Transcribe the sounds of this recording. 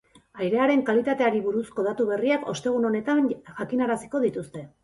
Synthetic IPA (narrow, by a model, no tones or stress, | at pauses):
ajɾe̞aɾe̞ŋkalit̪at̪e̞aɾiβuɾusko̞ð̞at̪uβ̞e̞riako̞̰st̪e̞ɣ̞uno̞ne̞t̪anʝakinaɾasi̥ko̞ðit̪ust̪e̞